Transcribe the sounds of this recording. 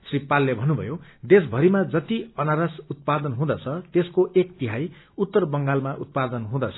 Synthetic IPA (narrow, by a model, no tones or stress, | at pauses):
sripalːebʱʌnːubʱʌ̰jod̪esbʱʌɾimad͡zʌt̪iʌnaɾʌsut̪̚pad̪ʌnɦũd̪ʌt͡sʰʌt̪eskoʔekt̪iɦaj | ut̪ːʌrbʌŋɡalmaʔut̪̚pad̪ʌnɦũd̪ʌt͡sʰʌ